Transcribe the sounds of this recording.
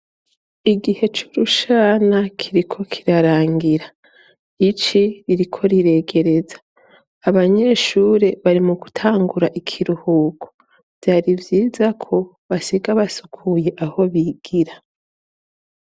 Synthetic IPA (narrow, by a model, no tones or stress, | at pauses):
iɡihe̞t͡ʃu̥ɾuʃaːnakʰiɾikʰo̞kʰi̥ɾaɾaːŋɡiɾa | it͡ʃiɾiɾikʰo̞ɾiɾe̞ːɡe̞ɾe̞zḁː | βaɲe̞ʃuːɾe̞βaɾimuɡutʰaːŋɡuɾaʔikʰiɾuhuːɡo̥ | vjaːɾivjiːzakʰo̞ | βasiɡaβasu̥kʰuje̞ʔaho̞βiɡ̥iɾa